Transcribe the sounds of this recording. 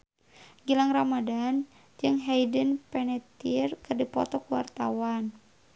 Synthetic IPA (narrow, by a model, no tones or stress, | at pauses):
ɡilaŋramadan | d͡ʒɨŋɦɛjdənpɛnɛt̪irkɨrdipɔ̰t̪ɔkuwa̰rt̪awan